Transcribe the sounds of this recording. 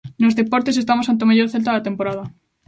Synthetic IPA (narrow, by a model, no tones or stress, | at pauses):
nozðepoɾt̪es̬est̪amos̬ant̪eomeʝoɾθelt̪aðat̪empoɾaðɐ